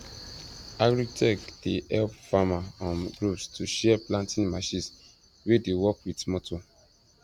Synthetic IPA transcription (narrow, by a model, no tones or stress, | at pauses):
aɡɹitʰɛkd̥ehɛlpfamaɔ̃nɡɹupstʰuʃɛaplãntĩnmaʃĩns | wedewɔkwitmɔtʰo